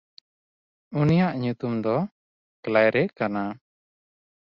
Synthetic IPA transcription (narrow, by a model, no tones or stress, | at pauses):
unijaʔɲut̪umd̪ɔ | klajɾɛkana